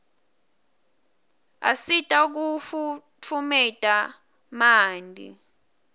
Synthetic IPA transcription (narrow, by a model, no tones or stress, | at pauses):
a̰sitʼauk̬uf | t͡fʰumɛtʼa | maːndʱḭ